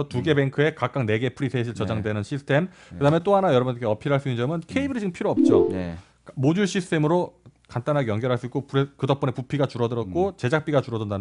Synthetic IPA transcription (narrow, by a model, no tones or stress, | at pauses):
ʌtuɡe̞be̞ŋkʰɯe̞kak͈aŋne̞ɡe̞pʰɯɾisʰeɕʰiɭt͡ɕʌd͡ʑaŋdwe̞nɯnɕʰisʰtʰe̞m | kɯdaɦmet͈oɦanajʌɾʌbundekeʌpʰiɾɦaɭs͈uind͡ʑʌmɯnkʰeibiɾid͡ʑiɡɯmpʰiɾoʌp̚t͡ɕ͈o | mod͡ʑuɭɕ͈ʰisʰɯ̥tʰe̞mɯɾokant͈anɦaɡjʌŋɡjʌɾɦaɭs͈uik͈opuɾekɯdʌp͈ʌnepupʰiɡat͡ɕuɾʌdɯɾʌt̚k͈ot͡ɕe̞d͡ʑak̚p͈iɡat͡ɕuɾʌdɯndan